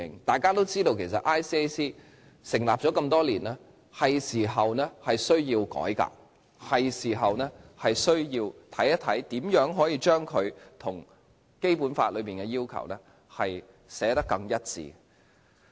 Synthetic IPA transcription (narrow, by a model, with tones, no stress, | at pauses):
ɪ˨˩ŋt̪aː˨˩jkaː˥t̪o˥wt͡siː˥t̪o˧wkʰe˨˩jsɐ˨t̚ʔaː˥jsiː˥e˥jsiː˥ | sɪ˨˩ŋlaː˨p̚t͡ʃɔ˨˥kɐ˧mt̪ɔː˥liː˨˩nɛː˥ | hɐ˨jsiː˨˩ɦɐ˨wnɛː˥hɐ˨jsɵ˥ɥjiː˧wkɔ̰ː˨˥jka̰ː˧k̚ | hɐ˨jsiː˨˩ɦɐ˨wnɛː˥hɐ˨jsɵ˥ɥjiː˧wt̪ʰɐ˨˥jɐ˥t̪ʰɐ˨˥jt̪iː˨˥mjœː˨˥ŋɦɔː˨˥jiː˨˧t͡ʃœː˥ŋkʰɵ˨˧ɥt̪ʰʊ˨˩ŋ | ke˥jpuː˨˥nfa̰ː˧t̚lɵ˨˧pmiː˨nkɛ˧jiː˥wkʰɐ̰˨˩wnɛː˥ | hɐ˨j | sɛː˨˥t̪ɐ˥kːɐ˧ŋjɐ˥t̚t͡sḭː˨